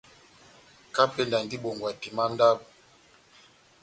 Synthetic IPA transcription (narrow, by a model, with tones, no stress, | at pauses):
ka˦pe˦nda˨n˨di˦ɓo˨ŋɡwa˨ti˨ma˦n˦da˦b